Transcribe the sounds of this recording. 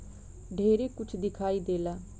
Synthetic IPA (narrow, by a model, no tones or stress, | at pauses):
ɖʱeːɾeːkʊt͡ʃʰd̪ɪkʰaːiːd̪eːlaː